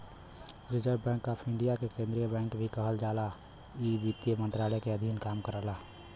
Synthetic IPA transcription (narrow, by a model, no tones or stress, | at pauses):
ɾɪd͡ʒəɾbbɛ̃ŋkapʰɪɳɖijakekẽnd̪ɾijəbɛ̃ːŋkbʱikəɦəld͡ʒala | ibit̪jəmə̃nt̪ɾalɛkeəd̪ʱinkamkəɾəɦla